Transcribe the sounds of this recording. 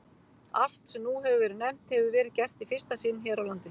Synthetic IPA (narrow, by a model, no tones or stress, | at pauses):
a̰l̥t̪sɛmnuɦɛvʏvɛːɾɪnɛm̥t̪hɛvʏvɛːɾɪðcɛr̥t̪ifɪ̥st̪asiːnçɛːɾawlant̪ɪ